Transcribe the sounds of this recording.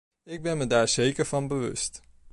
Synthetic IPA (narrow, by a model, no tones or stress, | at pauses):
ɪɡ̚bɛnmədaːɹz̥ejkəɹvɑnbəʋɵ̰st